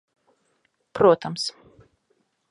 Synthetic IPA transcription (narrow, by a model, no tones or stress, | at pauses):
pɾuɔt̪ʰams